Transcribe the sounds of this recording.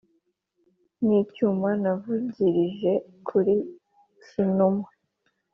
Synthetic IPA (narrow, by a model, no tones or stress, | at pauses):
niːcumanavuɟiɾiʒe̞ | kʰuɾi | sinumwe